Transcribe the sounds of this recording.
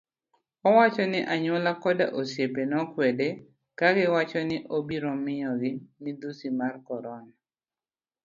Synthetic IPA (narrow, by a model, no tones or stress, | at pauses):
ɔwat͡ʃɔnɪʔaɲwɔlakɔda̰ʔosjepenɔkwɛde | kaɡɪwat͡ʃɔnɪʔobiɾɔmɪjɔɡɪnɪd̪usimarkɔɾɔna